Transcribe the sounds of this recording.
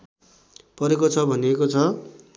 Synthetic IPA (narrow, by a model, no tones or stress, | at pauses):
pʌɾekot͡sʰʌbʱʌniekot͡sʰʌ